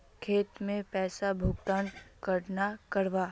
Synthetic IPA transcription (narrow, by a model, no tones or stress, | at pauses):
kʰeːt̪mẽpɛːsabʱʊkt̪aːnkəɾnakəɾʋa